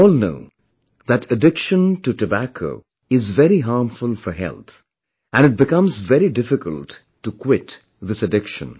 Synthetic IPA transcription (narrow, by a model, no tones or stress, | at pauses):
ɔːlˠno̰ʊ | ðɨtʰɨdɪkʃə̃ntutɨbækʰo̰ʊ | ɪzvɛɾiɦɑːmɱfʊlˠfə˞ɦɛ̰lˠt̪ | ʔæ̃nɨt̚bɨkʌ̃mzvɛɾidɪfɪkə̰lˠtː | ukʰwɪt | ðɪsɨdɪkʃə̰̃n